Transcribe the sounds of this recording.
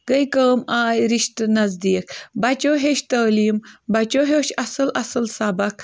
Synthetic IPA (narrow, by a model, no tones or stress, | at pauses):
ɡəjkəːmaːjɾiʃt̪nɐzd̪iːk̚bɐt͡ʃoːɦeʃt̪ɐːliːmbɐt͡ʃoːɦoːʃɐsɨlʔɐsɨlsabɐk̚